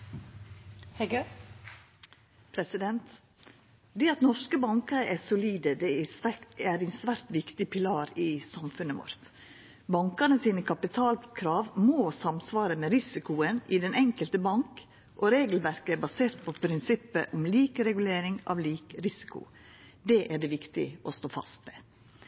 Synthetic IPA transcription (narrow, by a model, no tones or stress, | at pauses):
hɛɡø | pʰɾɛsɪd̪ɛnt̪ | d̪ɛːɑt̪nɔʂkəbɑŋkəɾəʔæsʊliːd̪əd̪ɛɪsʋææɾɪnsʋæːɾt̪ʋɪkt̪ɪpʰɪlɑːɾɪsɑmfʉnəʋɔ̰ɾt̪ | bɑŋkənəsiːnəkʰɑpɪt̪ʰɑːlkʰɾɑːʋmoːsɑmsʋɑːɾəmɛɾɪsɪkʊənɪd̪ɛnʔɛŋkəlt̪əbɑŋk | ʔɔɾeːɡl̩ʋæɾkəæbɑseːɾt̪pʰɔpʰɾɪnsɪpːəʔʊmliːkɾɛɡʉleːɾɪŋɑ̰ʋliːkɾɪsɪ̥kʊ̰ | d̪ɛʔæɖɛʋɪkt̪ɪ̰ʔɔst̪oːfɑ̰st̪mɛ